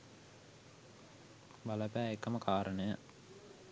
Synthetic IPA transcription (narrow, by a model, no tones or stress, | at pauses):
ʋaləpæːekəməkʰaːɾʔənəjə